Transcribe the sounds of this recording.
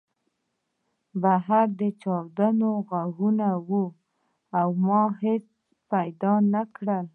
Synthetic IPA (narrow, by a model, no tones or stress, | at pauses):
baɦaɾd̪ət͡ʃɑwd̪anoɣaɣunawu | awmɑhet͡s | pajd̪ɑnakɽəl